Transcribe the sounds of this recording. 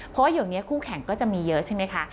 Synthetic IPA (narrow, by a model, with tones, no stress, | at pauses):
pʰɔ˦˥waː˥˩juː˨˩ni˦˥ɐkʰuː˥˩kʰɛ˨˩˦ŋkɔː˥˩t͡ɕa˨˩miː˧jɤ˦˥ʔt͡ɕʰa˥˩jma˦˥jkʰa˦˥